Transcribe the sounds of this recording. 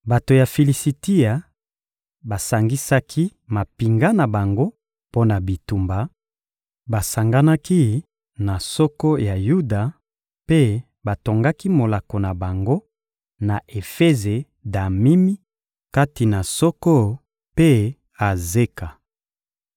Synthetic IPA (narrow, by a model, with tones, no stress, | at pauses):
ba˨to˨ja˨fi˨li˨si˨ti˦a˨ | ba˨sa˨ŋɡi˦sa˦kʰi˦ma˨pi˨ŋɡa˦na˨ba˨ŋɡo˦ | po˦na˨bi˨tu˨mba˨ | ba˨sa˨ŋɡa˦na˦ki˦ | na˨sɔ˦kɔ˦ja˨ju˦da˨ | pe˦ | ba˨to˨ŋɡa˦ki˦mo˨la˨ko˨na˨ba˨ŋɡo˦ | na˨ʔe˨fe˦ze˨ | da˨mi˦mi˦ | ka˦ti˨na˨sɔ˦kɔ˦ | pe˦ | a˨ze˦ka˨